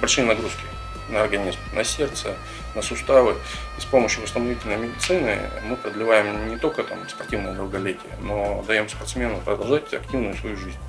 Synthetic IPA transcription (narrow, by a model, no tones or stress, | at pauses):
pɾʲt͡ɕ̪ʲinɐɡɾuskʲɪ | nəːrɡɐnʲizmnɐsʲe̞rt̪sə | nəsʊst̪avɨ | spo̞məɕjʊvəst̪ənɐvʲitʲɪlʲnəjmʲɪdʲɪt̪sɨnɨ̰mɨpɾəd̪lʲɪvajɪmnʲɪt̪o̞lʲkət̪amspɐrtʲivnəjəd̪lˠɡɐlʲetʲɪjə̰no̞d̪ɐjo̞mspɐrt̪smʲe̞nʊpɾəd̪ɐlˠʐatʲɐ̰ktʲivnʊjʊsvɐjuʐɨzʲnʲ